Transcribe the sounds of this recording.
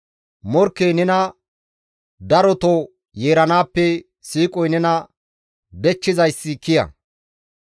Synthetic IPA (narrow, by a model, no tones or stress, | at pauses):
mɔɾkːejnɛnɐ | d̪ɐɾɔt̪ɔ | jeːɾɐnaːpːɛ | siːkʼɔjnɛnɐ | d̪ɛt͡ʃːɪzɐjsːɪkɪjɐ̰